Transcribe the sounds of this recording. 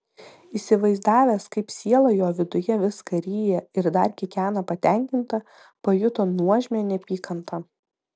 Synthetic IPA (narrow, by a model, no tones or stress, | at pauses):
iːsʲɪʋɐɪzd̪ɑːʋʲeːskɐɪpsʲiɛlˠɐjoːʋʲɪd̪ʊjɛʋʲɪskɐɾʲiːjɛɪɾd̪ɐɾkʲɪkʲæːnɐpɐt̪ʲɛˑŋʲkʲɪnt̪ɐ | pɐjʊt̪oːnuɔʒʲmʲenʲɛpʲiːkɐnt̪ʰɐ